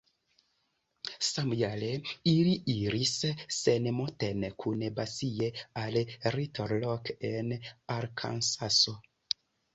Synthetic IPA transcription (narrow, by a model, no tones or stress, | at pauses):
samjaleiliʔiɾisːenmotenkʰunbasiealritoɾlokenaɾkʰa̰nsaso